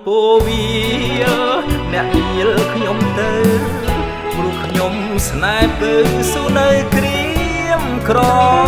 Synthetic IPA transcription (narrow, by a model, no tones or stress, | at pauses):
poːʋiəlnɛ̆əʔɲiəlkʰɲomt̪ɨw | pɾuəkʰɲom | snaɛpəːŋsuːnəwkri | əmkrɔ